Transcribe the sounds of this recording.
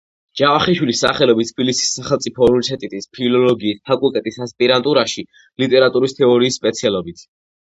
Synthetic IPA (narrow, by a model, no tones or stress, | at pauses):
d͡ʒ̥avaχiʃwilisːaχɛlɔbit̪t̪ʰbilisi̥sːaχɛlt̪sʼipʰɔɾusɛt̪ʼit̪ʼispʰilɔlɔɡiːst̪ʰakʼulˠkʼɛt̪ʼisaspʼiɾant̪ʼuɾaʃi | lit̪ʼɛɾat̪ʼuɾist̪ʰɛɔɾiːsːpʼɛt̪sʰialˠɔbit̪ʰ